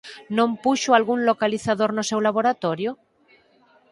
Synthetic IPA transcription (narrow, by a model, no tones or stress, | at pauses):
nõmpuʃoalɣunlokaliθaðoɾnosewlaβ̞oɾat̪oɾjo